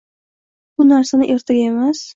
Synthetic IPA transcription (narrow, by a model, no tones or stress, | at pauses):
bʊnaɾsanɪʔe̞ɾt̪ʰaɡʲae̞mas